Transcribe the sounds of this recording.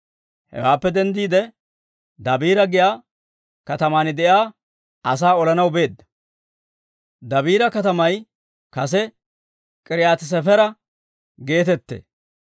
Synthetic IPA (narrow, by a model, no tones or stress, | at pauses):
hɛ̰waːpːɛd̪ɛnd̪iːd̪ɛ | d̪ɐbiːɾɐɡɪjaː | kɐt̪ɐmaːnɪd̪ɛʔjaː | ɐs̬aːɔlɐnɐwbe̞ːd̪ːɐ̥ | d̪ɐbiːɾɐkɐt̪ɐmɐj | kɐs̬ɛ | kʼɪɾɪjaːt̪ɪs̬ɛfɛɾɐ | ɡe̞ːt̪ɛt̪ːḛː